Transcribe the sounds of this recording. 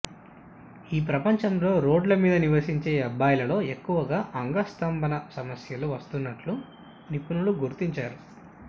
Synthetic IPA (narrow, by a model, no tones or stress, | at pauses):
iːpɾɐpɐɲt͡ʃɐmlo̞ːɾo̞ːɖlɐmiːd̪ɐniʋɐsiɲt͡ʃe̞ːɐbːaːjɐlɐlo̞ːe̞kːuʋɐɡaːʔɐŋɡɐst̪ɐmbʱɐnɐsɐmɐsjɐluʋɐst̪unːɐʈlu | nipunuluɡuɾt̪iɲt͡ʃaːɾu